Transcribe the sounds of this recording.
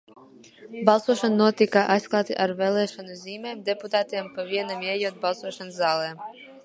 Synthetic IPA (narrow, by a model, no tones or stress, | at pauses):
balˠsuɔʃananuɔt̪ikaʔajsklˠɑːt̪iʔaɾvɛlˠɛːʃɔnuzʲiːmɛːmd̪ɛput̪aːt̪iɛmpaviɛnamɛːjuɔt̪̚balˠsuɔʃanszaːlˠɛːm